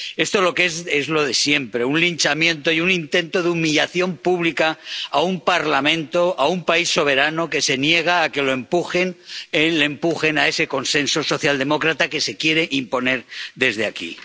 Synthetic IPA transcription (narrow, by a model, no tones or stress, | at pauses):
e̞st̪o̞lo̞kezezlo̞ð̞e̞sje̞mpɾe̞unlint͡ʃamjẽ̞nt̪o̞iunint̪ẽ̞nt̪o̞ðeumiʎaθjo̞mpuβlikaaumpaɾlamẽ̞nt̪o̞ʔaumpaisːo̞β̞e̞ɾanoke̞se̞nje̞ɣ̞aːke̞loe̞mpuxenelempuxe̞nae̞se̞ko̞nse̞nso̞so̞θjald̪e̞mo̞kɾat̪ake̞se̞kjeɾe̞ʔimpo̞ne̞ɾðe̞zð̞eakḭ